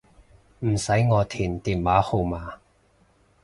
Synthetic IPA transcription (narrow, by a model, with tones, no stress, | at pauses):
m̩˨˩sɐ˨˥jŋɔː˨˧t̪ʰiː˨˩nt̪iː˨˩nwaː˨˥ho˨˧wmaː˨˧